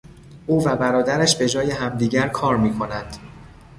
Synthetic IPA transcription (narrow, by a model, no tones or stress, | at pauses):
ʔuːvæbæɾɒːd̪æɾæʃbe̞d͡ʒɒːje̞ɦæmd̪iːɟæɾkʰɒːɾmiːkʰo̞nænd̪̥